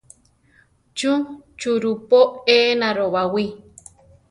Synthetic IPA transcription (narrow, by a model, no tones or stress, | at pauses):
t͡ʃut͡ʃuɾupoenãɾoβawi